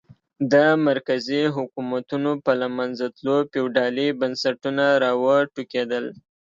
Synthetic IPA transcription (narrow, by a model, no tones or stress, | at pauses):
d̪əmaɾkaziɦʊkumat̪unopəlamanzat̪lopewɖɑlibansaʈunaɾɑwəʈuked̪əl